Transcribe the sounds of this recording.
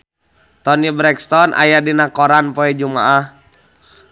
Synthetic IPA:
t̪ɔnibɾɛkst̪ɔnʔa̰jaʔdinakɔɾanpɔɛd͡ʒumaʔah

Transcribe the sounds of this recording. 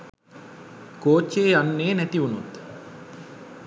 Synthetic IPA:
koːt͡ʃːeːanːeːnæt̪iunut̪

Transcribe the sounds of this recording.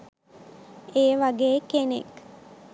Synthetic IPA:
eːʋaɡeːkenḛk

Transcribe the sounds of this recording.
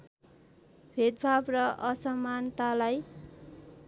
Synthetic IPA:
b̥ʱed̪bʱabrʌʔʌsʌmant̪alaj

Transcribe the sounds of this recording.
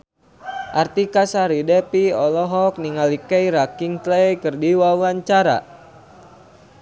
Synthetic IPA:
ʔart̪ikasaɾidɛpiɔlɔɦɔk̚niŋalikɛiɾakiŋt̪lejkərdiwawaɲt͡ʃaɾa̰

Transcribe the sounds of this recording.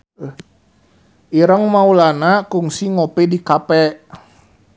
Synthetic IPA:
iɾəŋmaulanakuŋsiŋopɛdikapɛ

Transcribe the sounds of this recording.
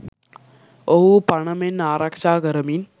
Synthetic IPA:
oɦupɐɳɐmenːaːɾʔakʂaːɡɐɾəmin

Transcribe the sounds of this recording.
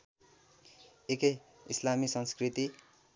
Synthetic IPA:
ekʌj | islamisʌnskrit̪i

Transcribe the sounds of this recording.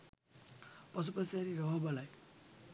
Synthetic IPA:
pɔs̬upɔsaɾiɾɔɦɔbalaj

